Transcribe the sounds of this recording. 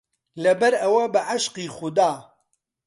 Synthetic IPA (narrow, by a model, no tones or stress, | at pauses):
lɐbɐɾɐwɐbɨʕɐʃqiːxʊd̪aː